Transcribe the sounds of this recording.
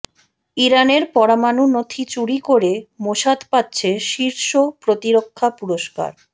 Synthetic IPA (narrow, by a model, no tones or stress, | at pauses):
iɾaneɾpɔɾamanunot̪ʰit͡ɕuɽikoɾemoʃad̪patːɕʰeʃiɾʃopɾot̪iɾokʰːapuɾoʃka̰ɾ